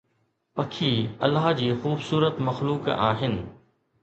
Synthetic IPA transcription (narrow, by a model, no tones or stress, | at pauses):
pɐkʰiːɐ̰lːaɦd͡ʑiːxuːbsuːɾət̪mɐxluːka̰ːɦɪnɪ̆